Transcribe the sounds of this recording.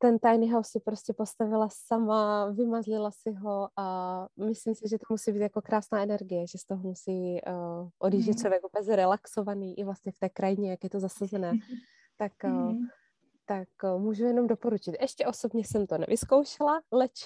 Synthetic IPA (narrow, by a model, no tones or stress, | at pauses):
t̪ɛnt̪ajnɪɦawsːɪpɾoscɛpo̞st̪avɪlasamavɪmazlɪlasɪɦo̞ʔamɪslimsɪʒɛt̪omusiːbiːt̪jakokɾaːsnaːʔɛnɛɾɡɪjɛʒɛst̪oɦomusiː | ʔodiːʒɛt̪t͡ʃlovjɛkupɛzɛɾɛlakso̞vaniːʔɪvlast̪ɲɛft̪ɛːkɾajɪɲɛjakjɛt̪o̞zasazɛnɛː | t̪ak | t̪akmuːʒɛmjɛno̞mdopo̞ɾut͡ʃɪt̪ʔɛʃcɛʔo̞so̞bɲɛsɛmt̪onɛ̰vʔɪskowʃɛlalɛt͡ʃ